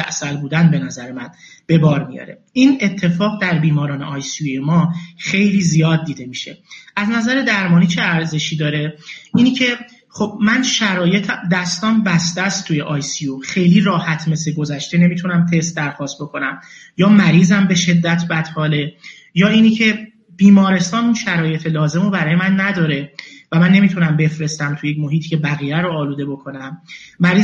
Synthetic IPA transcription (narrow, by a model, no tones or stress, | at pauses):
æ̰ʔsælbuːd̪ænbe̞næzæɾemæn | b̥e̞bɒːɾmijɒ̰ɾe̞̰ | ʔiːne̞t̪ʰːe̞fɒːɣd̪æɾbiːmɒːɾɒːne̞̰ʔɒjsijemɒːxe̞jliːzijɒːd̪̚ːiːd̪e̞miːʃe̞̰ʔæznæzæɾe̞d̪æɾmɒːniːt͡ʃʰe̞æɾze̞ʃiːd̪ɒːɾe̞ʔiːnicʰe̞ | χo̞b̥̚mænʃæɾɒːje̞t̪ʰæd̪æst̪ɒmbæst̪æst̪t̪ʰːujeʔɒjsioxe̞jliːɾɒːhæt̪ʰme̞sleɡo̞zæʃt̪e̞ne̞miːt̪ʰunæmt̪ʰe̞st̪̚d̪æɾxɒːst̪̚bo̞kʰo̞næmjɒːmæɾiːzæmbe̞ʃe̞d̪ːæt̪ʰbæt̪hɒːle̞ | jɒːiːnicʰe̞ | b̥iːmɒːɾe̞st̪ɒːnunʃæɾɒːje̞t̪ʰe̞lɒːze̞mobæɾɒːje̞mænːæd̪ɒːɾe̞væmænːe̞miːt̪ʰunæmbe̞fɾe̞st̪æmt̪ʰujecmo̞ɦiːt̪ʰi̥ːcʰe̞bæɣiːɾæɾoːluːd̪e̞bo̞kʰo̞næmːæɾiː